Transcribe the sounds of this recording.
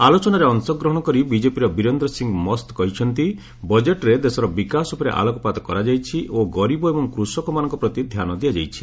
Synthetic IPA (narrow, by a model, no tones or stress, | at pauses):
alot͡ʃɔnaɾeɔŋsɔɡɾɔɦɔɽ̃ɔkɔɾibid͡ʒepiɾɔbiɾɔnd̪ɾɔsiŋɡmɔst̪kɔɦit͡ʃʰɔnt̪i | bɔd͡ʒeʈɾed̪esɔɾɔbikasupɔɾḛʔa̰lɔkɔpat̪ɔkɔɾad͡ʒajt͡ʃʰiʔoɡɔɾibɔebɔŋkɾusɔkɔmanɔŋkɔpɾɔt̪id̪ʱjanɔd̪iad͡ʒajt͡ʃʰi̥